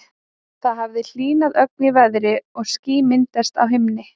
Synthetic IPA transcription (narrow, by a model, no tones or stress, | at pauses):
θaðɦavðɪl̥iːnaðœk̚njɪvɛðɾɪɔɣsciːmɪnt̪ɛst̪awɦɪmnɪ